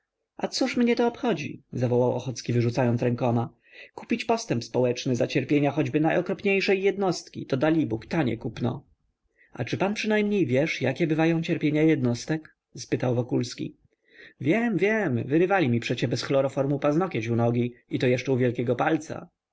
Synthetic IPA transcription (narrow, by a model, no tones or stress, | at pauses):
ʔat̪suʂmɲɛt̪ɔːpxɔd͡ʑḭzavɔwawʔɔ̰xɔt̪skʲivɘʐut̪sajɔnt̪sɾɛŋkɔma | ku̥pʲit͡ɕpɔst̪ɛmpspɔwɛt͡ʂnɘzat͡ɕɛɾpʲjeɲaxɔd͡ʑbɘnajɔkɾɔpɲejʂɛjːɛd̪nɔst̪kʲḭt̪ɔd̪alʲibukt̪aɲɛ̰kupnɔ̰ | a̰t͡ʂɘpanpʂɘnajmɲejvʲjɛʂjakʲɛbɘvajɔ̃w̃t͡ɕɛɾpʲjeɲajɛd̪nɔst̪ɛk | spɘt̪awvɔkulskʲḭ | vʲjɛmvʲjɛmvɘɾɘvalʲimʲipʂɛt͡ɕɛbɛsxlɔɾɔfɔɾmupaznɔkʲɛt͡ɕunɔɡʲiit̪ɔjɛʂt͡ʂɛuvʲjɛlkʲɛɡɔpalt̪sa̰